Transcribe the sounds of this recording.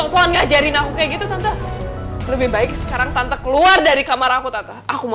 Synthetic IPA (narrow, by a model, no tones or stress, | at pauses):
ɔʔsoanɡahd͡ʒaɾinakukaaɡit̪ut̪ant̪a | ləbɪhbaɪk̚sə̥kaɾaŋt̪ant̪akəluardaɾikamaɾakut̪at̪aakuma